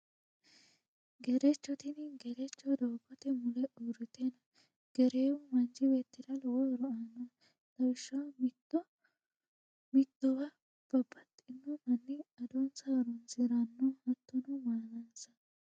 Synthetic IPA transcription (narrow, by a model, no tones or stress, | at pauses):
ɡɛɾɛt͡ʃːɔt̪ɪnɡɛɾɛt͡ʃːɔd̪ɔwkːɔt̪ɛmʊlɛʔuɾɪt̪enɐ | ɡ̥ɛɾeːʊmɐnd͡ʒɪbeːt̪ːɪd̪ɐlwɔɾɔanːɐ | d̪ɐwɪʃːɐm | mɪt̪ːɔwɐ | b̥ɐbːɐt̪ʼːɪnːɔmɐnːɪɐd̪ɔnsaːɾɔnsɪɾɐnːɔhɐt̪ːɔnʊmaːnɐnsɐ